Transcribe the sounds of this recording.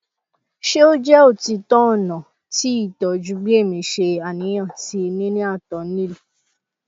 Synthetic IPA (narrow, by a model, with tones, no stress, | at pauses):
ʃe˦o˦d͡ʒɛ˦o˦˨ti˧tɔ̃˦ɔ˦˨nã˨ | ti˨˦i˦˨tɔ˨d͡ʒu˨˦ɡ͡be˦˨mĩ˧ʃe˧a˨nĩ˨˦j̃ã˦˨ti˦˧nĩ˦nĩ˦a˦˨tɔ˨n̩˦nĩ˦lu˦˨